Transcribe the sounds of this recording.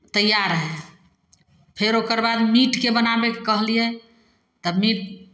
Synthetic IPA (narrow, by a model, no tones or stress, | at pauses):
t̪əjːaɾɦɛ | pʰeɾokəɾbad̪miʈkebənabekekəɦlie | t̪əbmiʈ̚